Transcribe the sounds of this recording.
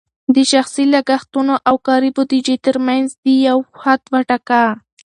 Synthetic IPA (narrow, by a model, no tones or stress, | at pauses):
d̪əʃaxsilaɡaxt̪unoʔawkɑɾibod̪id͡ʒet̪əɾmanzd̪əjawhad̪waʈaka